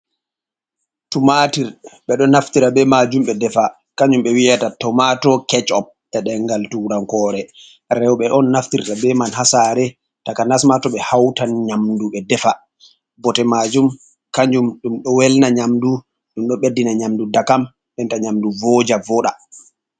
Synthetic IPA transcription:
tumatiɾɓɛɗɔnːaftiɾabɛmad͡ʒumɓɛdɛfa | kaɲd͡ʒumɓɛwijatatɔmatɔkɛt͡ʃɔp̚tɛɗɛŋɡaltuɾaŋkɔːɾɛ | ɾɛwɓɛɗɔnːaftiɾtabɛmanhasaːɾɛ | takanasmatɔɓɛhawtanɲamduɓɛdɛfa | bɔtɛmad͡ʒum | kaɲd͡ʒumɗumɗɔwɛlnaɲamdu | ɗumɗɔɓedːinaɲamdudakam | ɓɛntaɲamduvɔd͡ʒavɔɗa

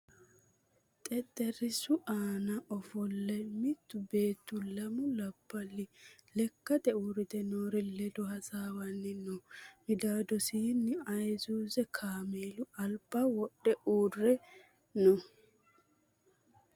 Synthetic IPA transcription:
t̪ʼɛt̪ʼːɛɾɪsʊʔaːnɐʔɔfɔlːɛmɪt̪ːʊbe̞ːt̪ːʊlɐmʊlɐb̥ːɐlːɪlɛkːɐd̪ɛuːɾɪd̪ɛnoːɾɪlɛd̪ɔhɐsaːwɐnːɪnɔmɪd̪aːd̪ɔsiːnːɪɐjzuːzɛkʰaːmeːlʊɐlb̥awɔɗːɛʔuːrːɛ | nɔ

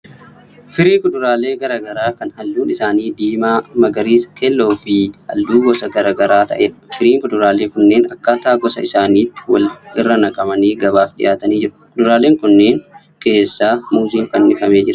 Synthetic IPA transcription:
fɪɾiːŋkʊᶑʊɾaːle̞ːɡɐɾaɡɐɾaːkɐnhɐlːuːnɪsaːniːd̪iːmaːmɐɡɐɾiːsɐ̥kʰelːo̞ːfɪhɐ̰ld̪uːɡɔsɐɡɐɾaːɡɐɾaːt̪ɐ̰ʔeːᶑɐfɪɾiːŋkʊᶑ̪ʊɾaːle̞ːkʊnːe̞ːnɐkːaːt̪aːɡɔsɐ̰ɪsaːniːt̪ːɪ̥wɐ̰lɪrːɐnɐkʼɐmɐniːɡɐβaːfɗɪ̰ʔaːt̪ɐniːd͡ʒɪɾʊ̥kʊᶑ̪ʊɾaːle̞ːŋkʊnːe̞ːŋ | ke̞ːsːaːmuːziːŋfɐnːɪfɐme̞ːd͡ʒɪɾɐ

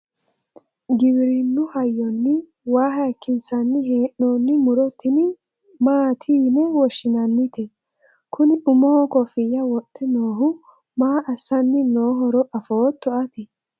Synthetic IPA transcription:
ɡɪbɪɾɪnːʊhɐjːɔnːɪ | waːɦɐjkːɪnsɐnːɪɦeːʔːoːnːɪmʊɾɔt̪ːɪnɪ | maːt̪ʰiːnɛwɔʃːɪnɐnːɪt̪ɛ | kʰʊnɪʔʊmɔhɔkɔfɪjːɐwɔɗɛnoːɦʊ | maːʔɐsɐnːɪnoːɦɔɾɔʔɐfoːt̪ːɔʔɐt̪ɪ

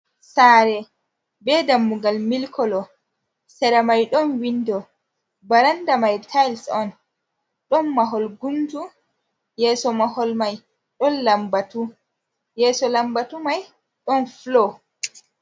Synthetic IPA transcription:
saɾɛ | bɛdamːuɡalmilkʰɔlɔ | sɛɾamajɗɔnwindɔ | baɾandamajtʰajlsɔn | ɗɔnmaɦɔlɡumtu | jɛːsɔmahɔlmaj | ɗɔnlambatu | jɛːsɔlambatumaj | ɗɔnflɔ

